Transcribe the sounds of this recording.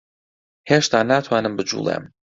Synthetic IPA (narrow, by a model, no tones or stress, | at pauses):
heːʃt̪ʰaːnaːt̪ʰwaːnɨmbɨd͡ʒṵːlˠḛm